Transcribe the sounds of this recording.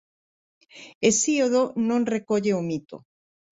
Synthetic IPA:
esioðonõŋrekoʎeomit̪o̰

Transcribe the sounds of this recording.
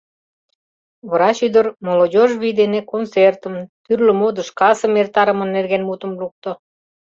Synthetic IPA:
βəɾɑɕyd̪ərmolodʲoʒβid̪enekont͡sert̪ə̆mt̪yrlø̆mod̪ə̆ʃkɑsə̆mert̪ɑɾəmə̆nːerɣenmut̪ə̆mluk̚t̪ŏ

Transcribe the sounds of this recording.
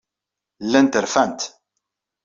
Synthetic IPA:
lːænt̪əɾfænt̪

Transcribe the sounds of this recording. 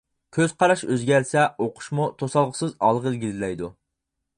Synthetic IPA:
kʲʰøz̥qʰɑɾɑʃøzɡʲɛɾsɛoqʰʊ̥ʃmut̪ʰosɑlˠʁəsɨzɑlˠʁɨlɡʲizlɛjd̪u

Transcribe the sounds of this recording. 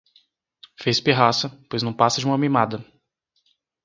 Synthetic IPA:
fejspeɦasɐpojznɐ̃w̃pasɐd͡ʒɪũmɐmimad̪ɐ

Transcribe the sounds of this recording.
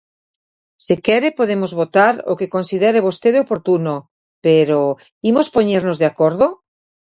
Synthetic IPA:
sekeɾepoðemozβot̪aɾo̰kekonsiðeɾeβ̞ost̪eðeopoɾt̪uno | peɾo | imospoɲeɾnozðeakoɾðo

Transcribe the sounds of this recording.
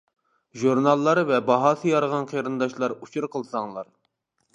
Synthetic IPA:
ʒuɾnɑlˠːɑɾvɛbɑɦɑsɨjɑɾʁɑnqʰeɾɨnd̪ɑʃlˠɑɾut͡ʃʰuɾqʰəlˠsɑŋlˠɑɾ

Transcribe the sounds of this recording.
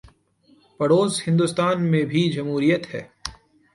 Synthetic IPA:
pɐɽoːzhɪ̃nd̪ʊst̪aːnmẽbʱid͡ʒɐmɦuːɾijət̪ɦɛː

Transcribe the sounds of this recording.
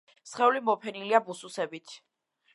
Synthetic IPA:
sχɛulimɔpʰɛniliabususɛbit̪ʰ

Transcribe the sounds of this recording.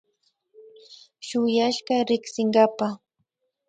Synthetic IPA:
ʃʊjaʃɢaɾɪksɪŋɢɑpa

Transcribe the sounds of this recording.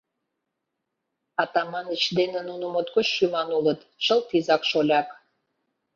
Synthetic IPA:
ɑt̪ɑmɑnət͡ɕd̪enĕnunomot̪̚kot͡ɕʃymɑnulət̪ʃəlt̪izɑkʃolʲɑk

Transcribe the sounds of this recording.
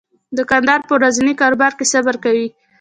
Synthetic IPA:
d̪əkand̪ɑɾpəɾazanikɑɾobɑɾkesabaɾkawi

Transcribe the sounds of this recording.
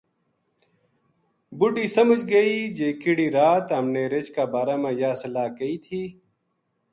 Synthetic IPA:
buɖiːsɐməd͡ʒɡɐid͡ʒeːkiɽiːɾaːt̪ɦɐmneːɾet͡ʃkaːbaːɾaːmãːjaːsɐlaːkɐiːt̪ʰiː

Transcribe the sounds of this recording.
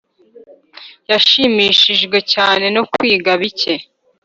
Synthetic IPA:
jaʃimiʃiʒɡwe̞caːne̞nokwiːɡaβice̞

